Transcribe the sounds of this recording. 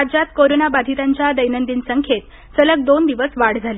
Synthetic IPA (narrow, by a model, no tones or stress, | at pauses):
ad͡ʑat̪̚koɾonabad̪ʱit̪aɲt͡ɕjad̪əjnənd̪iːnsəŋkʰet̪ | sələk̚d̪ond̪iʋəsʋaɽd͡zʱale